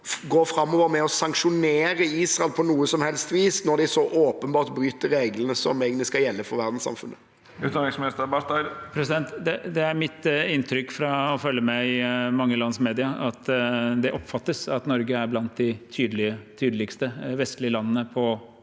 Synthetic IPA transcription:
ɡoːfɾɑmːɔʋəɾmɛɔsɑŋkʂʊneːɾəiːsʁɛlpʰɔnuːəsɔmhɛlst̪ʋiːsnɔd̪ɪsɔʔoːpənbɑːʁt̪bɾyːt̪əɾɾeːɡlənəsɔ̰mɛːɡənɪskɑjɛlːəfɔɾʋæʁd̪n̩sɑ̰mfʉ̰nʔə | ʉːt̪nɑɪsmɪnɪst̪əɾbɑt̪ɑɪd̪pʰɾɛsɪd̪ɛnt̪d̪ɛd̪ɛæɾmɪt̪ɪnt̪ʰɾʏkːfɾɑɔfœlːəmɛɪmɑŋːəlɑnsmeːd̪ɪɑɑt̪d̪ɛʔɔpfɑt̪ːəsɑt̪nɔɾɡəæɾblɑnt̪̚d̪ɪt̪ʰyːd̪əlɪət̪ʰyːd̪əlɪkst̪əʋɛst̪lɪəlɑnːənəpʰɔ

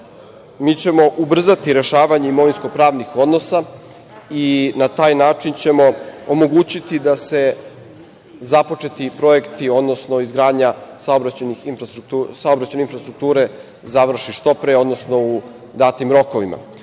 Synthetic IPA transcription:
miːt͡ɕe̞mo̞ʔubr̩zat̪iɾe̞ʃaːʋaɲeimo̞ʋinsko̞pɾaːʋnixo̞d̪no̞sa | inat̪aːjnaːt͡ʂint͡ɕe̞mo̞omo̞ɡuːt͡ɕit̪id̪ase̞ | zapo̞t͡ʂe̞t̪ipɾo̞e̞kt̪io̞d̪nosno̞izɡɾaːd̪ɲasaobɾat͡ɕenixinfɾst̪ɾukt̪usaobɾat͡ɕejneinfɾast̪ɾuk̚t̪uːɾe̞ | zaʋr̩ʃiʃt̪o̞pɾeo̞d̪no̞sno̞u | d̪aːt̪imɾo̞ko̞ʋima̰

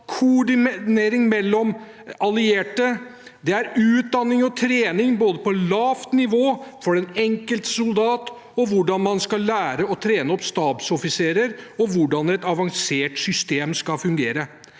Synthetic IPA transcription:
kʰʊɖɪneːɾɪŋmɛlːɔm | ɑlɪeːʈəd̪ɛæɾʉːt̪̚d̪ɑnːɪŋɔt̪ʰɾeːnɪŋboːd̪əpɔlɑːft̪nɪʋoːfɔɾɛnɛŋkəlt̪sʊld̪ɑːt̪ | ɔʋʊɖɑnmɑnskɑlːæːɾəɔt̪ʰɾeːnəɔpst̪ɑːbsɔfɪseːɾəɾɔʋʊɖɑnɛt̪ɑʋɑŋseːʈsʏst̪eːmskɑfʉŋɡeːɾə

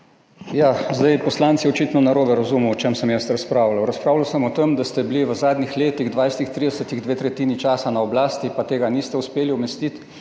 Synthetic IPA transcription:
jaːzd̪ajpɔslaːnt̪siɔt͡ʃiːt̪nɔnaɾoːbɛɾazumuɔt͡ʃɛmsəmjɛst̪ɾaspɾaːwlawɾaspɾaːwlawsəmɔt̪emd̪ast̪ɛbliʋəzaːd̪nixleːt̪iɣd̪ʋajst̪ixt̪ɾiːd̪ɛsət̪iɣd̪ʋeːt̪ɾɛt̪iːnit͡ʃaːsanaɔblaːst̪ipat̪eːɡanist̪ɛuspeːliɔmɛst̪it̪

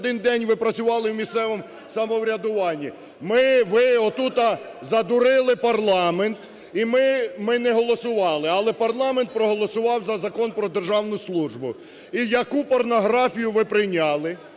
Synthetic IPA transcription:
d̪ɪnd̪ɛnʲʋɪpɾɐt͡sʲʊʋɑlˠɪwmʲist̪sɛʋɔm | sɐmɔwɾʲɐd̪ʊʋɑnʲːi | mɪʋɪɔt̪ut̪ɐ | zɐd̪ʊɾɪlˠɪpɐrlˠɑment̪ | imɪmɪnɛɦɔlˠɔsʊʋɑlˠɪɐlˠɛpɐrlˠɑment̪̚pɾɔɦɔlˠɔsʊʋɑwzɐzɐkɔnpɾɔd̪erʒɑwnʊslˠuʒbʊ | ijɐkupɔrnɔɦɾɑfʲijʊʋɪpɾɪjnʲɑlˠɪ

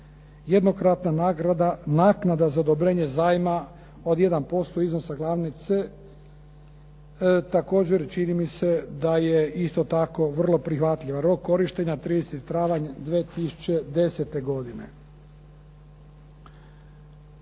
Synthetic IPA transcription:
jed̪nokɾat̪nanaːɡɾad̪anaːknad̪azaod̪obɾe̞ːɲe̞zaːjma | o̞d̪je̞d̪anpo̞st̪o̞izno̞saɡlˠaːʋnit̪se̞ | t̪ako̞ːd͡ʑe̞ɾt͡ʃinimise̞d̪ajeist̪o̞t̪ako̞ʋr̩lˠo̞pɾixʋat̪lʎʲiʋanɾo̞kːo̞ɾiʃt̪e̞ɲat̪ɾiːd̪eset̪it̪ɾaːʋaɲd̪ʋeːt̪isu̥t͡ɕe̞d̪e̞se̞t̪e̞ɡo̞d̪ine̞̰

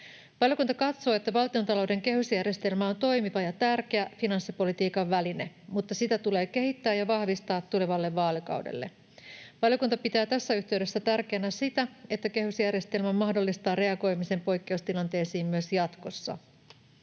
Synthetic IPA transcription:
ʋɑljo̞kunt̪ɑkɑt̪so̞ːe̞t̪ːæʋɑlt̪io̞nt̪ɑlo̞wde̞ŋke̞ɦysjærje̞st̪e̞lmæo̞nt̪o̞jmiʋɑjɑt̪ærk̟e̞æfinɑnsːipo̞lit̪iːkɑʋːæline | mut̪ːɑsit̪æt̪ule̞ːke̞ɦit̪ːæːjɑʋɑhʋist̪ɑːt̪ːule̞ʋɑlːeʋːɑːlikɑ̰wdḛlːḛ | ʋɑljo̞kunt̪ɑpit̪æːt̪æsːæyht̪e̞ɥde̞sːæt̪ærkeːnæsit̪æe̞t̪ːæke̞ɦysjærje̞st̪e̞lmæmɑhdo̞lːist̪ɑːrre̞ɑɡo̞jmise̞mpo̞jkːe̞ust̪ilɑnt̪e̞ːsiːmmyøsjɑt̪ko̞sːɑ̰

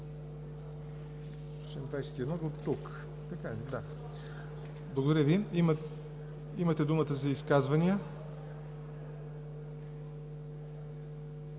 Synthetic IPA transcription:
sɛmt̪ajsɛ̥t̪iɛd̪nɔd̪ot̪ːuk | t̪ɐkad̪a | blˠɐɡod̪ɐɾʲəviimə | imɐt̪ɛd̪umət̪əzɐiskazvɐnijə

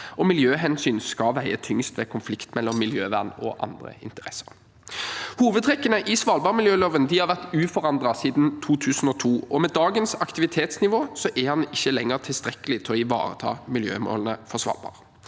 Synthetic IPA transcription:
ʔɔmɪljøːɦɛnsyːnskɑʋæɪət̪ʰʏŋst̪ʋɛːkʰʊnflɪkt̪mɛlːɔmːɪljøːʋæʁnɔ̰ʔɑ̰nd̪ʁə̰ɪ̰nt̪əʁɛsːə̥ʁ | huːʋəd̪ʰʁɛkːənəʔɪsʋɑlbɑːʁmɪljøːloːʋənd̪ɪhɑʁʋæʁt̪ʉːfɔʁɑnd̪ʁɑsiːd̪nt̪ʰuːt̪ʰʉːsn̩ɔt̪ʰuːɔmɛd̪ɑːɡənsɑkt̪ɪʋɪt̪ʰeːt̪snɪʋoːsɔʔɛhɑnɪçːəlɛŋːəʁt̪ʰɪlst̪ʁɛkːəlɪt̪ʰɪlɔɪʋɑ̰ːʁə̰t̪ʰɑ̰ːmɪljø̰ːmo̰ːlnəfɔʁsʋɑ̰lbɑ̰ːʁ

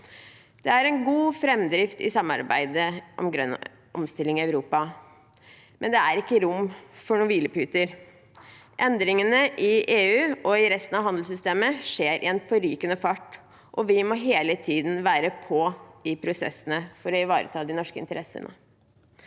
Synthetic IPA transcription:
d̪̥ɛæɾɛnɡuːfɾɛmd̪ɾɪft̪ɪ̰sɑmːɑ̰ɾbæ̰ɪd̪əʔɔ̰mɡɾœ̰n | ɔ̰mst̪ɪlːɪŋɪɑʉɾuːpɑ | mʔɛnd̪ɛæɾɪkːəɾʊmfɔɳuːʋiːləpʉːt̪əɾ | ʔɛnd̪ɾɪŋənəʔɪʔeːʉːʔɔɪɾɛst̪ən̩ɑʋɦɑnd̪l̩sʏst̪eːməʂeːɾʔɪ̰ɛnfɔɾyːkənəfɑʈː | ʔɔʋɪmɔɦeːlət̪ʰiːd̪nʋæːɾəpʰɔɪpʰɾʊsɛ̰sːənəfɔɾɔɪʋɑːɾə̰t̪ʰɑːd̪ɪnɔʂkəɪ̰nt̪əɾʔɛsːə̰nə̰

